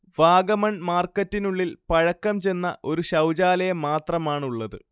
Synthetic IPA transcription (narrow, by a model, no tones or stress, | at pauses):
ʋaːɡɐmɐɳmaːrkːɐtːinuɭːilpɐɻɐkːɐmt͡ɕe̞nːɐʔo̞ɾuɕɐwd͡ʑaːlɐjɐmaːt̪rɐmaːɳuɭːɐðɨ